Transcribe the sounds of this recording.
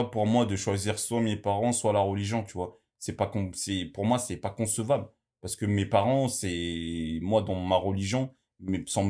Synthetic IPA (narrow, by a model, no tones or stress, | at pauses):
puʁmwad̪əʃwaziʁswamepaʁɑ̃swalaʁəliʒjɔ̃t̪yvwa | sɛpakɔ̃sɛpuʁmwasɛpakɔ̃səvabl | paʁsə̥kəmepaʁɑ̃sɛ | mwad̪ɑ̃maʁəliʒjɔ̃ | mɛsɑ̃